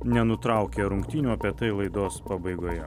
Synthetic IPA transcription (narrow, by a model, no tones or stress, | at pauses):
nʲɛnʊt̪ɾɐˑʊkʲeːɾʊŋkt̪ʲiːnʲuːɐpʲeːt̪ɐɪlˠɐɪd̪oːspɐbɐɪɡoːjɛ